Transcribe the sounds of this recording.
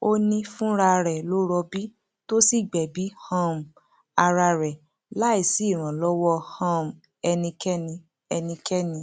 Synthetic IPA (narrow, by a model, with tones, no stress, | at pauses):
o˦nĩ˧fũ˦ɾa˧ɾɛ˨lo˦ɾɔ˧bi˦ | to˦si˦˨ɡ͡bɛ˨bi˨˦hã˦m˨ | a˧ɾa˧ɾɛ˨ | la˦i˦˨si˨˦˨ɾ̃ã˨lɔ˦wɔ˦hã˦m˨ | ɛ˧nĩ˧kɛ˦nĩ˧ | ɛ˧nĩ˧kɛ˦nĩ˧